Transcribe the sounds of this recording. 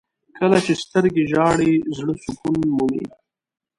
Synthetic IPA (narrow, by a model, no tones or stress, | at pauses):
kəlat͡ʃest̪əɾɡeʒɑɽezɽəsukunmumḭ